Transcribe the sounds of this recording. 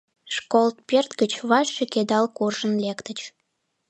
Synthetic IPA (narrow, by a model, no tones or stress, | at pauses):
ʃkolt̪̚pert̪kət͡ɕβɑʃːeked̪ɑlkurʒə̆nlekt̪ə̆t͡ɕ